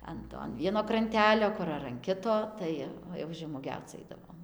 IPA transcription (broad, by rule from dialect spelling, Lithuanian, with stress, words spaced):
ˈɐn toː ɐn ˈʋʲiɛnoː krɐnʲˈtʲæːlʲoː ˈkʊr ɐr ɐn ˈkʲɪtoː ˈtɐɪ jɛʊ ʒʲɛmuɔˈɡʲɛʊt͡s ˈɐɪdɐʋoːm